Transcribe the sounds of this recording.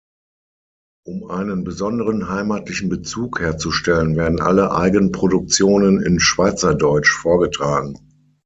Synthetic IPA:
ʔʊmʔaɪnənbəzɔndəʁənɦaɪmaːtlɪçn̩bət͡suːkheːɐt͡suʃtɛlənveːɐdn̩ʔa̰ləʔa̰ɪɡənənpʁ̥odʊk̚t͡sjoːnənɪ̰nʃv̥aɪt͡sɐdɔʏt͡ʃfoːɐɡətʁ̥aːɡŋ̩

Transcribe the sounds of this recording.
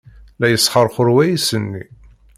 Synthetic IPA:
læjəsˤχəɾˤχʊɾwæjisənːi

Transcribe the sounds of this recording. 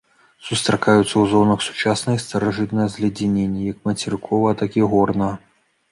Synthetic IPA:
sust̪ɾɐkajut̪sːɐwzɔnɐxsu̥t͡ʂasnɐjist̪ɐɾɐʐɨt̪nɐjɐzʲlʲɐd͡zʲinʲenʲːijɐkmɐt͡sʲɛɾɨkʰɔvɐt̪akiɣɔrnɐ

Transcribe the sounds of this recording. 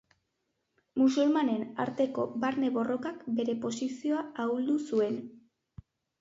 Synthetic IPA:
mus̬ulmane̞na̰ɾt̪e̞ko̞baɾne̞βo̞ro̞kakbe̞ɾe̞po̞sisio̞aauld̪usue̞n

